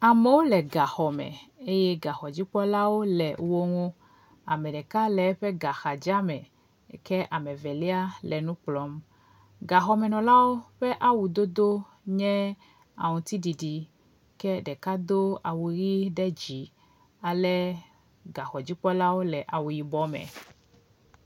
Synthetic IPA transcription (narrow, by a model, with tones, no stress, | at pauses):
a˨me˦wo˦lɛ˨ɡa˨xɔ˨mɛ̰̃˨e˦jɛ˦ɡa˨xɔ˨d͡ʑi˦k͡pɔ˦la˦wo˦lɛ˨wo˦ŋo˦ | a̰˨mɛ˨ɖɛ˨ka˦lɛ˨˦ɸɛ˦ɡa˨xa˨d͡ʒa˦mɛ̃˨ | kɛ˦ʔa˨mɛ˨vɛ˨lɛ˦a˦lʔɛ˨nũ˦k͡plɔ˦m | ɡa˨xɔ˨mɛ˨nɔ̃˨la˦wo˦ɸɛ˦ʔa˦wu˨d̪o˦d̪o˦ | ɲɛ̃˦ | a̰˨ŋũ˨t̪i˦ɖi˨ɖi˨ | kɛ˦ɖɛ˨ka˦d̪o˦a˨wu˨ɣi˦ɖɛ˦d͡ʑi˨ | a˨lɛ˦ | ɡa˨xɔ˨d͡ʑi˦k͡pɔ˦la˦wo˦lɛ˨ʔa˨wu˨ji˨bɔ˦mɛ̰̃˨